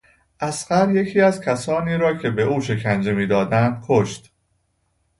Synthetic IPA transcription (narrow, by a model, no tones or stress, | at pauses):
ʔæsɢæɾje̞cʰiːæzcʰæsɒːniːɾɒːcʰe̞be̞ʔuːʃe̞cʰænd͡ʒe̞miːd̪ɒːd̪ænd̪̥̚kʰoʃt̪